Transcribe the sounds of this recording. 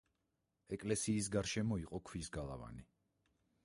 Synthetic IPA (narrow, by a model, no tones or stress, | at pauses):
ɛkʼlɛsiːs̬ɡaɾʃɛmɔiqʼɔkʰwisɡalˠa̰va̰ni